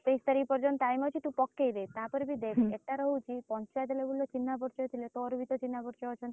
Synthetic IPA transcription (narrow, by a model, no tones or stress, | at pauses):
t̪ejst̪əɾipəɾd͡ʒɔnʈ̪ajmɔt͡ʃʰit̪ũpɔkːejɾet̪ãpəɾbʱid̪ekieʈːaɾəɦũt͡ʃʰipɔɲt͡ʃajt̪̬lebulːot͡ʃinːabʱəɾt͡ʃɔt̪ʰilet̪ɔɾʋit̪ot͡ʃinːabəɾt͡ʃɔɔt͡ʃʰən